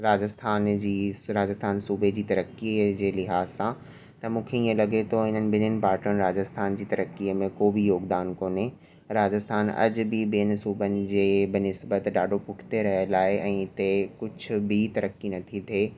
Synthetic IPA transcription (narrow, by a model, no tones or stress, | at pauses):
ɾaːd͡ʑəst̪ʰaːnd͡ʑiːɾaːd͡ʑəst̪ʰaːnsuːbʱed͡ʑiːt̪ɐɾəkid͡ʑeːlɪɦaːzsã | t̪ɐmũːkʰeĩẽlɐɡet̪ʰoɦɪn̤ənɪ̆bʱɪnənɪ̆paːɾʈənɪ̆ɾaːd͡ʑəst̪ʰaːnd͡ʑiːt̪ɐɾəkːiəmẽkoːbʱijoːɡd̪aːnkoːne | ɾaːd͡ʑəst̪ʰaːnɐ̰d͡ʑ̆bʱibeːənɪsuːbənɪ̆d͡ʑeːbɪnɪsbət̪ɖaːɖʱopʊʈʰt̪eɾɐɦəlaːɦeʔɛ̃ːɪt̪ekʊd͡ʑʱʊ̆bʱit̪ɐɾəkːinɐt̪ʰit̪ʰeː